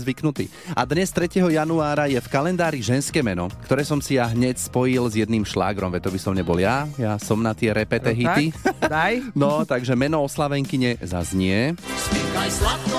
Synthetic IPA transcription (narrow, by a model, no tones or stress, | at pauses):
zʋiknut̪ḭː | ʔad̪ɲɛst̪ɾɛcɛɦɔjanuaːɾajɛfkalɛnd̪aːɾiʒɛnskɛːmɛnɔkt̪ɔɾɛːsɔmsijaɦɲɛcspɔjilzjɛd̪niːmʃla̰ːɡɾɔmʋɛt̪ɔbisɔmɲɛbɔljajasɔmnat̪ɪɛɾɛpɛɛɦit̪id̪ajnɔt̪aɡʒɛmɛnɔɔslaʋɛŋkiɲɛza̰zɲɪɛila